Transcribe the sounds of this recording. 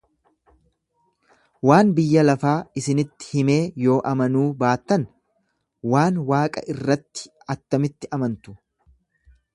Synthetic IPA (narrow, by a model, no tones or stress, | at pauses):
waːnbɪjːɐlɐfaːɪsɪnɪt̪ːɪ̥hɪme̞ːjo̞ːʔɐmɐnuːbaːt̪ːɐn | waːnwaːkʼɐ̰ʔɪrːɐt̪ːɪ̥ | ɐt̪ːɐmɪt̪ːɪʔɐmɐnt̪ʊ̥